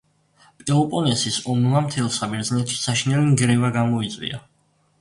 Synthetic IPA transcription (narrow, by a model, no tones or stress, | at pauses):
pʼɛɔpʼɔnɛsisɔmlˠamt̪ʰɛlˠsabɛɾd̪znɛt̪ʰʃi̥saʃinɛliŋɡɾɛvaɡamɔit̪sʼwḭa